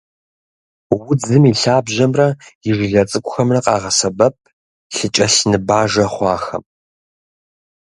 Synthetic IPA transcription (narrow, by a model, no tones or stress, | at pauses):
wʊd͡zɨmiɬaːbʑɐmrɐjɪʒɪɮɐt͡sʼɨkʷʼʊxɐmrɐqʼɑːʁɐsɐbɐp̚ʰ | ɬɨt͡ʃʼɐɬnɨbaːʒɐχʷɑːxɐ̰m